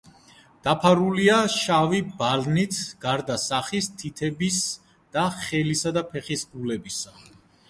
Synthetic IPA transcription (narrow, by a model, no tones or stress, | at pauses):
d̪̥apʰaɾuliaʃavibalnit̪ʰɡ̥aɾd̪asaχist̪ʰit̪ʰɛbis | d̪̥aχɛlisad̪apʰɛχisbulɛbisa